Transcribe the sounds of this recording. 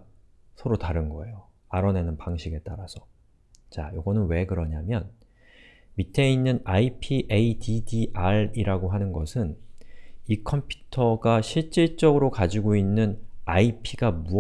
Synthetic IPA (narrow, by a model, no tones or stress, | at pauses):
sʰʌɾotaɾɯnɡʌe̞jo | aɾʌnenɯnpaŋɕʰiɡe̞t͈aɾasʰʌ | t͡ɕajoɡʌnɯnwe̞kɯɾʌɲamjʌn | mitʰe̞inːɯnaipʰiʔeididiʔaɾiɾaɡoɦanɯnɡʌsʰɯn | ikʰʌmpʰju̥tʰʌɡaɕʰiɭt͡ɕ͈iɭt͡ɕ͈ʌɡɯɾokad͡ʑiɡoinːɯnaipʰiɡamu